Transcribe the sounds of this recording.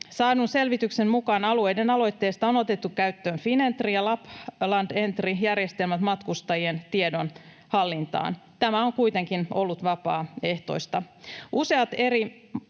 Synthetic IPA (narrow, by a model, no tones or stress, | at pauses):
sɑːdunse̞lʋit̪ykse̞nmukɑːnɑlue̞jdenɑlo̞jt̪ːe̞ːst̪ɑonot̪et̪ːukkæyt̪ːøːnfine̞nt̪rijɑlɑplɑnde̞nt̪rijærjest̪e̞lmæt̪mɑt̪kust̪ɑjient̪iedo̞n | hɑlːint̪ɑ̰ːnt̪æmæoŋkuit̪eŋkino̞̰lːut̪ʋɑpɑːe̞ht̪o̞̰ist̪ɑʔuse̞ɑt̪e̞ɾi